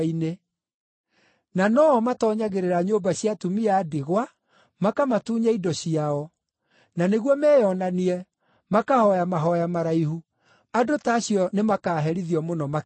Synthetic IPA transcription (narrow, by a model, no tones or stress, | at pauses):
ine | nanɔmatɔɲaɣeɾeɾaɲobaɕiatumiaːdeɣwa | makamatuːɲaidɔɕiaɔ | naneɣwɔmɛːjɔnaniɛ | makahɔjamaɦɔjamaɾaiɦu | adotaːɕiɔnemakaːɦɛɾiðiɔmonɔma